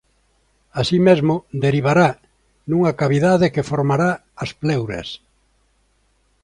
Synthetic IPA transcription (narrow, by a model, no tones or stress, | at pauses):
asimezmʊd̪eɾiβ̞aɾa | nũŋakaβiðaðɪkefoɾmaɾaː | splewɾɐ̰s